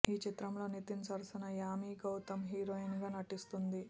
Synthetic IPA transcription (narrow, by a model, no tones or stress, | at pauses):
iːt͡ʃit̪ɾɐmlo̞ːnit̪int͡ʃɐːlsinɐjaːmiːɡɐwt̪ɐmɦiːɾoːinɡaːnɐʈist̪und̪i